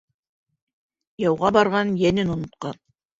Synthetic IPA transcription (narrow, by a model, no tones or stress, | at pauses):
jɑwʁɑbɑɾʁɑnjænɘnŏnŏt̪̚qɑn